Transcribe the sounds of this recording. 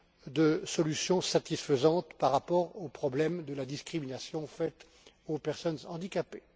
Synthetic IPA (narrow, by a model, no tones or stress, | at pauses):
d̪əsɔlysjɔ̃sat̪isfəzɑ̃t̪paʁːapɔʁopχɔblɛmd̪əlad̪iskχiminasjɔ̃fɛt̪ | opɛʁsɔnɑ̃d̪ikʲape